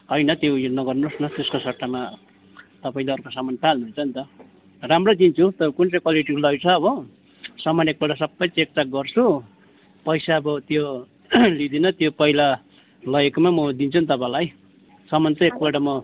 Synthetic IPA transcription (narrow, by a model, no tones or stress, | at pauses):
ʌjnʌt̪jowjnʌɡʌrnosnʌt̪eskosʌʈːama | t̪ʌpaĩleʌrkosamʌnpʰalnuɦunt͡sʰʌnt̪ʌ | ramrod̪int͡sʰut̪ʌkunt͡sʌkwaliʈiɾlʌjt͡sʰʌːbʌ | sʌmʌnek̚baɽasʌbːʌjt͡sek̚tak̚ɡʌrt͡sʰu | pʌjsaːbʌt̪jo | lid̪inʌt̪jopʌila | lʌjekomamʌd̪int͡sʰʌnt̪ʌpãlaj | sʌmʌnt̪ʌek̚baɽamʌ